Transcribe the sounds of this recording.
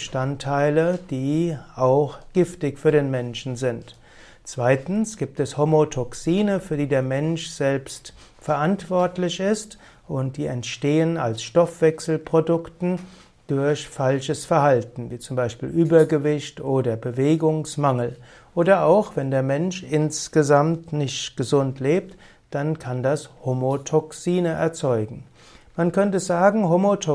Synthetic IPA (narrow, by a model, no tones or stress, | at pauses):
əʃtantʰːaɪləd̥iːaʊxɡ̥ɪftɪçfyːɐɾeːnmɛnʃn̩zɪnt | t͡sv̥aɪtn̩sɡ̥iːp̚tɛshomotʰɔksiːnəfyːɐdiːdeːɐmɛnʃz̥ɛlpst | fɛɐʔantv̥ɔɐtlɪçɪst | ʔʊnt̚d̥iːɛntʃteːəna̰lsʃtɔfv̥ɛksl̩pʁ̥odʊktn̩ | d̥ʊɐçfalʃəsfɛɐhaltn̩viːt͡sʊmbaɪʃpḭːlʔyːbɐɡəvɪçtʔoːdɐbəveːɡʊŋsmaŋl̩ | ʔoːdɐʔaʊxv̥ɛndeːɐmɛnʃʔɪnsɡ̥əzamtnɪçtɡ̥əzʊntleːp̚t | d̥ankʰandashomotʰɔksiːnəʔɛ̰ɐt͡sɔʏɡŋ̩ | mankʰœntəzaːɡŋ̩ɦomotʰɔ